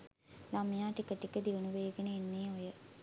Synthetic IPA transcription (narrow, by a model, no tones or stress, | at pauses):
lamijaːʈikəʈikəd̪iʋunuʋejɡənəːnːeːojə